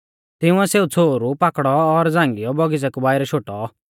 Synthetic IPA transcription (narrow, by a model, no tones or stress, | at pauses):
t̪ɪũɛseːut͡sʰoːɾupakɽɔːɾd͡zãːŋɡɪjɔbɔɡɪd͡zɛkubaːɪɾɛʃoːʈɔ